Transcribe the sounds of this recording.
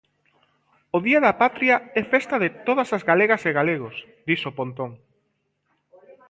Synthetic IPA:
ʊðiɐðɐpat̪ɾiɐɛfest̪ɐðɪt̪oð̞ɐsazɣaleɣɐseɣaleɣos | d̪isopont̪oŋ

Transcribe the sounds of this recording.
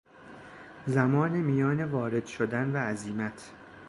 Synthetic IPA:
zæmɒːnemijɒːnevɒːɾe̞d̪̥ʃod̪ænvæːziːmæt̪ʰ

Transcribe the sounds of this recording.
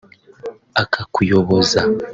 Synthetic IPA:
akʰakujoβoza

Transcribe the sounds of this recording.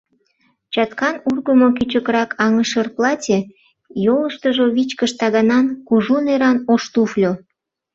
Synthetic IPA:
t͡ɕɑt̪kɑnurɣəmokyt͡ɕəkɾɑkʰɑŋəʃərplɑtʲe | joləʃt̪əʒoβit͡ɕkəʃt̪ɑɣɑnɑnkuʒuneɾɑnoʃt̪uflʲo

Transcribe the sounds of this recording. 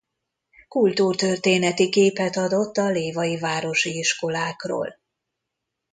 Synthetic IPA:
kult̪uːrt̪ø̞rt̪eːnɛt̪ikeːpɛt̪ɒd̪o̞t̪ːɒleːvɒjivaːɾo̞ʃiiʃko̞laːkro̰ːl

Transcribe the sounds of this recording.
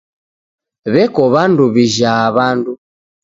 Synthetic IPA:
βɛkɔβanduβiʒaβandu

